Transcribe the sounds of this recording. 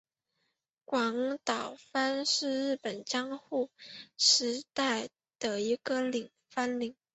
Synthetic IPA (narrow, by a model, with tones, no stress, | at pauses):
kwɑ˧˥ŋt̪ɑ˨˩ʊfa˥nʂɻ̩˥˧ɻɻ̩˥˩pə˨˩nt͡ɕjɑ˥ŋxu˥˩ʂɻ̩˧˥t̪a˥˩ɪ | d̪̥ə˩i˧˥ɡə˧li˨˩ŋ | fa˥nli˨˩˦ŋ